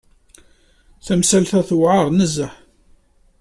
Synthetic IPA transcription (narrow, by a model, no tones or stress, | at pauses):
θæmsælθæθwʕəɾˤnəzːəħ